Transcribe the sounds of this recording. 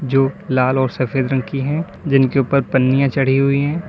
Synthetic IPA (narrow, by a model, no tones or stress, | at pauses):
d͡ʒoːlaːlɔːɾsɐfʰeːd̪ɾə̃ŋkiɦɛ̃ː | d͡ʒɪnkeʊːpəɾpɐnːijãt͡ʃɐɽ̤iɦʊiɦɛ̃ː